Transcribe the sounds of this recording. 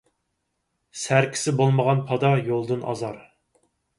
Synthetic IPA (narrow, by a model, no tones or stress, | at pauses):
sæɾkʲʰi̥sɪbolˠməʁɑnpʰɑd̪ɑjolˠd̪ɨnɑ̰zɑɾ